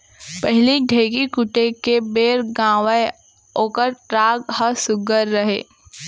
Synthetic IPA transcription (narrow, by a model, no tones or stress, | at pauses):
pɛɦɪliɖʱeːɡikʊʈekebeːɾɡãːʋəe | oːkəɾɾaːɡhəsʊɡəɾːɐɦḛː